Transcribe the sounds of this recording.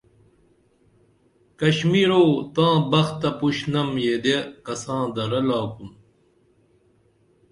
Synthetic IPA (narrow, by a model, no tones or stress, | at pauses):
kɐɕmiːɾoːt̪ãːbɐxt̪ːɐpuɕnɐmjeːd̪ekɐsãːd̪ɐɾɐlaːkum